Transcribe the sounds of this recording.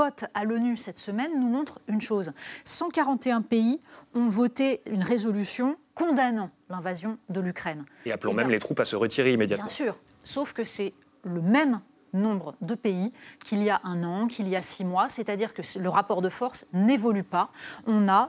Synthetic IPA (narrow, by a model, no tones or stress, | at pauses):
ɔt̪alɔnysɛt̪səmɛnːumɔ̃t̪χynʃozsɑ̃kaʁɑ̃t̪eɛ̃peiɔ̃vɔt̪eynʁezɔlysjɔ̃kɔ̃d̪anɑ̃ | lɛ̃vazjɔ̃d̪əlykχɛneaplɔ̃mɛmlet̪χupasəʁət̪ʰiʁeimed̪jat̪jɛ̃syːʁ | sofkəsɛ | ləmɛm | nɔ̃bʁəd̪əpeikʲʰilijaʔɛ̃nɑ̃kʰʲilijasimwasɛt̪ad̪iʁkələʁapɔʁd̪əfɔʁsnevɔlypaɔ̃na